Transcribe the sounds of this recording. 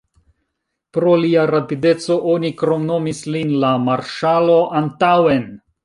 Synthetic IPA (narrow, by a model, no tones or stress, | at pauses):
pɾo̞liaɾapide̞t͡so̞ʔo̞nikɾo̞mno̞mislinlamaɾʃalo̞ʔantawen